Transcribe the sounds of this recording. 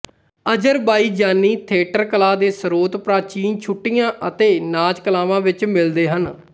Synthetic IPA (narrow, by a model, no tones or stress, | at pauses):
əd͡ʒəɾbaːiːd͡ʒaːnːiːt̪ʰeːʈəɾkəlaːd̪eːsəɾoːt̪pɾaːt͡ʃiːnt͡ʃʰʊʈːijãːʔət̪eːnaːd͡ʒkəlaːʋãːʋɪt͡ʃmɪld̪eːɦən